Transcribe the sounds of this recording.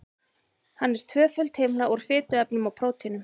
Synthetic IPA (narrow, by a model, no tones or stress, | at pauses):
hanːɛɾ̥t̪ʰvœːfʏlt̪heːmnaʔɔɾ̥fɪːt̪ʏɛpnʏmawpʰɾoːwt̪ʰinʏm